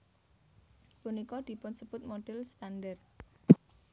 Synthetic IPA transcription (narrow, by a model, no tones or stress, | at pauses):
punikɔd̪̥i̤pʊnsəb̥ʊt̪̚moɖ̥ɛlst̪and̪ər